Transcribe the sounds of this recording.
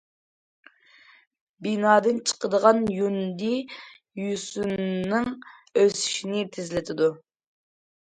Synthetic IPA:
binɑːd̪ɨnt͡ʃʰə̥qəd̪əʁɑnjund̪i | jysunːɨŋ | øsi̥ʃinɪt̪ʰɪzlɪt̪ʰɪd̪u

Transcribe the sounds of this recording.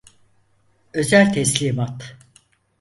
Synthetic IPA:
ø̞zælʲt̪ʰɛslʲiːmat̪

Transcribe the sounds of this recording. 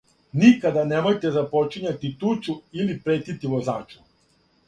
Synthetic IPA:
nikad̪anemo̞jt̪ezapo̞t͡ʃiɲat̪it̪ut͡ʃuilipɾeːt̪it̪iʋozaːt͡ʃu̥

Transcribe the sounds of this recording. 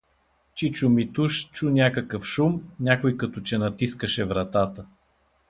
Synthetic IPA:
t͡ʃit͡ʃumit̪uʃt͡ʃunʲakəkəfʃumnʲakojkɐt̪ot͡ʃɛnɐt̪iskəʃɛvɾɐt̪at̪ə

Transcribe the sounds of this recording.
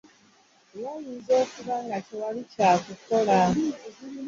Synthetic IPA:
wuːjiːnzo̞ːkuβaŋɡacewalicaːkuko̞la

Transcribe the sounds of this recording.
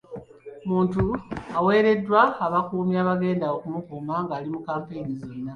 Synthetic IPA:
muːntuawe̞ːɾe̞dːwaːβakuːmjaːβaɡe̞ːndaokumukuːmaŋɡaːlimukaːmpejnizonːa

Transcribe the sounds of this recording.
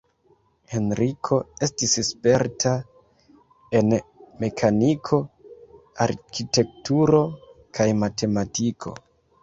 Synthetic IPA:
he̞nɾikʰo̞e̞stisspe̞ɾtʰa | e̞nme̞kʰanikʰo̞ | aɾkite̞k̚tuɾo̞kʰajmate̞matikʰo̞̰

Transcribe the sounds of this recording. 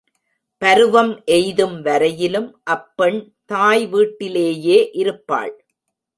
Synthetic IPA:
pɐɾɯʋɐmʔɛjðɯmʋɐɾɐjɪlɯmʔɐpːɛɳ | t̪aːjʋiːʈːɪleːjeːʔɪɾɯpːa̰ːɭ

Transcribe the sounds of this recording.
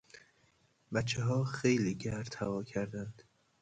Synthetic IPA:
bæt̪t͡ʃʰːeɦɒːxejliːɟæɾt̪ʰævɒːcʰæɾd̪ænd̪̥

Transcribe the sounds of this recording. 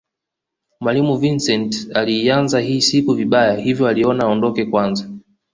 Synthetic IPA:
mwalimuvinsɛntaliːanzaɦiːsikuviɓajahivjɔaliɔnaɔndɔkɛkwanza

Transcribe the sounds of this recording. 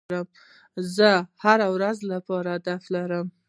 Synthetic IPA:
ɾəm | zəhaɾawɾazlapɑɾaad̪aflaɾəm

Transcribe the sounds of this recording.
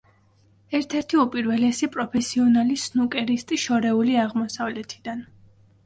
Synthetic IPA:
ɛɾt̪ʰɛɾt̪ʰiupʼiɾvɛlɛsipʼɾɔpʰɛsiɔnalisnukʼɛɾist̪ʼiʃɔɾɛuliaʁmɔsavlɛt̪ʰi̥d̪an

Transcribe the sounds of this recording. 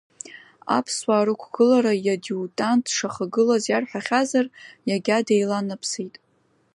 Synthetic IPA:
a̰pʰswaːɾɨkʷʰɡ̥ɨlaɾajadiutʼantʰʼʂaχaɡɨlazjarħʷᶣaχʲazarjaɡʲadejlanapʰsijtʼ

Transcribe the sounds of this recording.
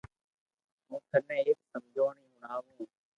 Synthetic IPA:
mũːkənɛ̃ːeːksəmd͡ʒʱoːɳiːʊnaːɦũ

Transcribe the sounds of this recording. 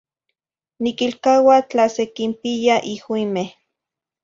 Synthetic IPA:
nikilkawat͡ɬasekimpijaʔihwimeh

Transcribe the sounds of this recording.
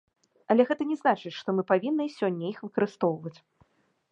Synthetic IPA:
ɐlʲɛɣɛt̪ɐnʲɛznat͡ʂɨt͡sʲʂt̪ɔmɨpavʲinːɨsʲɔnʲːɐixvɨkɐɾɨst̪ɔwvɐt͡sʲ

